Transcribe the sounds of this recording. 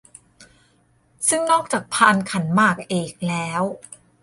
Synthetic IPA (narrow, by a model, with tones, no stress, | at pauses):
sɯ˥˩ŋnɔː˥˩k̚t͡ɕaː˨˩k̚pʰaː˧nkʰa˩˦nmaː˥˩k̚ʔeː˨˩k̚lɛː˦˥w